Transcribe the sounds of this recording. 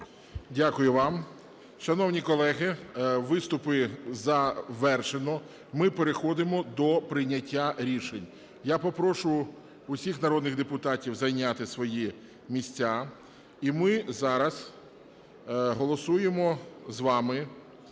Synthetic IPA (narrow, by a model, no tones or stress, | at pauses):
dʲakʊjʊʋɑm | ʃɐnɔwnʲikɔlˠɛɦɪʋɪst̪ʊpɪzɐʋɛrʃenɔ | mɪpeɾexɔd̪ɪmɔd̪ɔpɾɪjnʲɐtʲːaɾʲiʃenʲ | japɔpɾɔʃʊ | ʊsʲixnɐɾɔd̪nɪɣd̪epʊt̪ɑtʲiwzɐjnʲat̪ɪsʋɔji | mʲisʲt͡sʲa | imɪzɑɾɐz | ɦɔlˠɔsujemɔzʋɑmɪ